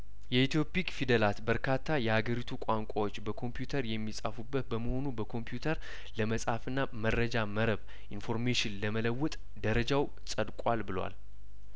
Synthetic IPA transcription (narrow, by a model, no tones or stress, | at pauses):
jɛit̪ʰjo̞pikfid̪əlat̪bəɾkʰat̪ʰːajɛhaɡəɾit̪ʰukʷʼaŋkʷʼawo̞t͡ʃːbəkʰo̞mpjut̪ʰəɾjɛmːisʼafubːət̪̚bəməho̞nubəkʰo̞mpjut̪ʰəɾ | ləməsʼhafɨnːaməɾːəd͡ʒaməɾəβ | ʔinfo̞ɾmeʃɪnləmələwːʊt̪ʼ | d̪əɾəd͡ʒaw | sʼəd̪kʼalbɨlwa̰l